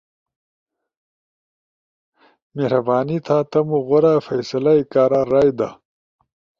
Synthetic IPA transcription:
mehɾɐbaːnit̪ʰaːt̪ɐmuɣoɾaːfɐjsɐlaikaːɾaːɾaːjd̪a̰

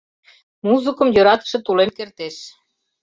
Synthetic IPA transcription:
muzɨkɤ̆mjøɾɑt̪ə̥̆ʃĕt̪ulemkert̪eʃ

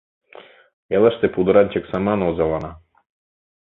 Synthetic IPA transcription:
ɛlˠaʃt̪ɛpud̪ɔɾant͡ʃɛksamanɔzalˠana

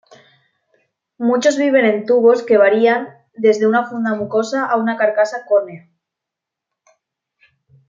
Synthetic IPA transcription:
mut͡ʃo̞zβiβ̞e̞nẽ̞nt̪uβo̞ske̞β̞aɾian | d̪e̞zðe̞unafund̪amuko̞saʔaunakaɾkasakonea

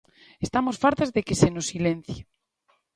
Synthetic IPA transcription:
est̪amosfaɾt̪azðekesenosilẽn̟θje

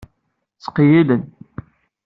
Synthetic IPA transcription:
t͡sːə̥qjilən

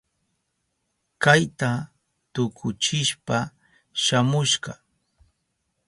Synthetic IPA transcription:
kajt̪a | t̪ʊkʰʊt͡ʃɪʃpa | ʃamʊʃɢɑ

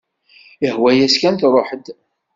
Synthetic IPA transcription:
əhwæjæskænt̪ɾˤoħəd̪

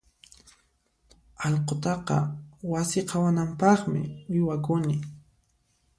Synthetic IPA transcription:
ɑlqot̪ɑqɑ̰wasɪqʰɑwanampɑχmɪ̰wɪjwakʊnɪ

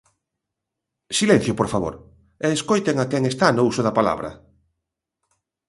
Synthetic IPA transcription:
silɛn̟θjopoɾfaβo̰ɾ | ɛːskojt̪eŋakɛŋest̪anousʊðɐpala̰βɾɐ̰

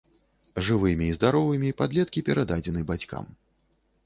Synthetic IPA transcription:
ʐɨvɨmʲiːzd̪aɾɔvɨmʲipad̪lʲɛt̪̚kʲipʲɛɾad̪ad͡zʲɛnɨbat͡sʲka̰m

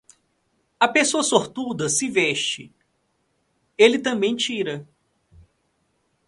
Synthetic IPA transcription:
ɐpesoɐsoɾt̪ud̪ɐsɪvɛʃt͡ʃɪ̰ | elɪt̪ɐ̃mbẽj̃t͡ʃiɾɐ

